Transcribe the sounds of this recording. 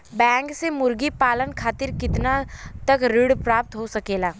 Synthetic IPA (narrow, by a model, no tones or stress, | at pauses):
bɛ̃ːŋksemʊɾɡipaːlənkʰaːt̪ɪɾkɪt̪nat̪əkɾɪɽpɾaːp̚t̪ɦosɐkeːlaː